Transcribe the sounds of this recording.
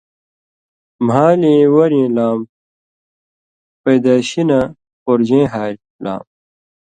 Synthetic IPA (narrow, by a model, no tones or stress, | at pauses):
mɦaːlẽːwɐɾẽːlaːm | pɐjd̪aːɕina | poɾd͡ʑẽːɦaːɾ | la̰ːm